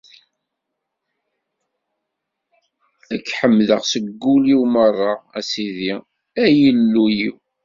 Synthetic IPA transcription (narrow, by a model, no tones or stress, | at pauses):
ækːħəmːðəʁsəɡːuliwmərˤːɑæsiði | æjəlːujiw